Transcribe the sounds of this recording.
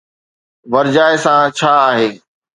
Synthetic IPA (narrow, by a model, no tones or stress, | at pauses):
ʋɐɾd͡ʑaːɪsãt͡ɕʰaːɦeː